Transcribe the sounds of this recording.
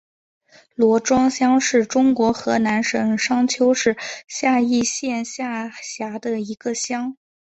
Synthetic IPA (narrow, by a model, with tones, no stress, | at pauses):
lwɔ˧˥ʈ͡ʂwɑ˥ŋɕjɑ˥ŋʂɻ̩˥˩ʈ͡ʂʊ˥ŋkwɔ˧˥xɤ˧˥na˧˥nʂɤ˨˩ŋʂɑ˥ŋt͡ɕʰjo˥ʊʂɻ̩˥˧ɕja˥˧i˥˧ɕjɛ˥˧nɕja˥˩ɕja˧˥d̪ə˧i˧˥ɡ̥ə˧ɕjɑ˥ŋ